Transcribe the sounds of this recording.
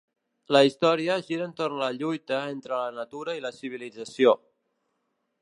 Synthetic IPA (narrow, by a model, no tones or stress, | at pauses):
ləist̪ɔɾiəʒiɾənt̪ornləʎujt̪əent̪ɾələnat̪uɾəiləsiβ̞ilid͡zəsio